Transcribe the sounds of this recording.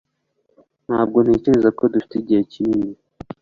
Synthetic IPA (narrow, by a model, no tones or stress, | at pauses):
n̥haːb̚ɡo̞n̥eːceɾe̞zako̞dufi̥tiɟiecindi